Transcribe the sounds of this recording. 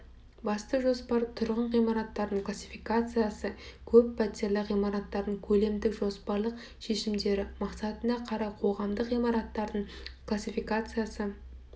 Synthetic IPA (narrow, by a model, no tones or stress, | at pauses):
bɑst̪əʒo̞spɑɾt̪ʰʊɾʁəɴʁijmɑɾɑt̪ːɑɾd̪əɴkʰlˠasʲi̥fijkat̪sɨjasəkʲʰɵpːʰæt̪ʲeɾlˠəqijmɑɾɑt̪ːɑɾd̪əŋkʲʰɵle̞md̪ɪkʒo̞spɑɾlˠəq | ʃe̞ʃɪmd̪e̞ɾɪmɑqsɑt̪ənɑqʰɑɾɑqʰo̞ʁɑmd̪əqijmɑɾɑt̪ːɑɾd̪əɴklˠasʲifijkat̪sɨjasə